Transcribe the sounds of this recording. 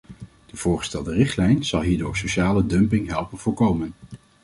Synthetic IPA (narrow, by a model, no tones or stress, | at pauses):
d̥əv̥ʊːɹχə̥stɛlˠdərɪχtlɛjnz̥ɑlˠɦiːɹdʊːɹsowʃaːlədɵmpɪŋɦɛlˠpənv̥ʊːɹkowmən